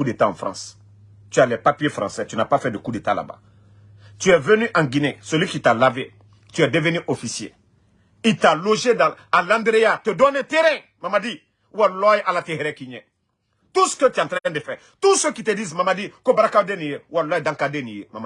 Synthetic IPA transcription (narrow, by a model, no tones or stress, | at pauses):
udetã̰ːfɾã̰s | tyalɛpapiefɾãsɛt̪ynapafɛdekudetala̰bã̰ | tyɛvønyʔãŋɡinesolikitalave | tyɛdevenyʔofisiḛ | italoʒedãalãndeɾejat̪ədɔneteɾɛ̃ | mamadi | uwalɔjeʔalatehɛɾɛkiɲɛ̃ | tuskətiãtɾakɛ̃ndefɛ | tusəkitedizmamadikobaɾakadẽnĩjeualɔjedãkadenĩjemama